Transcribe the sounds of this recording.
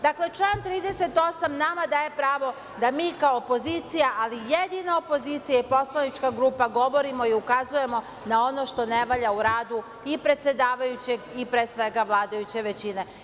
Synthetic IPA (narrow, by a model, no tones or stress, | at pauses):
d̪akle̞t͡ʃlˠaːnt̪ɾiːd̪e̞se̞t̪o̞samnamad̪aːje̞pɾaːʋo̞ | d̪amiːkaopo̞ziːt̪sijaʔalijed̪inaopo̞zit̪sijaipo̞slˠanit͡ʃkaɡɾuːpaɡo̞ʋo̞ɾimo̞iukazuje̞mo̞ | nao̞no̞ʃt̪o̞ne̞ʋaʎauɾaːd̪u | ipɾe̞t̪se̞d̪aːʋajut͡ɕeɡipɾeːsʋe̞ɡaʋlˠaːd̪ajut͡ɕe̞ʋe̞t͡ɕine̞